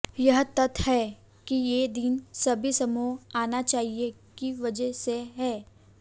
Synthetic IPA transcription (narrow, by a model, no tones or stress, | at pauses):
jɐɦt̪ɐt̪ʰhɛː | kijeːd̪iːnsɐbʱisɐmuːɦaːnat͡ʃaːɦie | kiʋɐd͡ʒəseɦɛː